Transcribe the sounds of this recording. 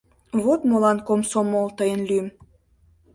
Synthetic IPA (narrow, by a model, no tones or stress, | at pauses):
βot̪molɑnkomsomolt̪əjənlym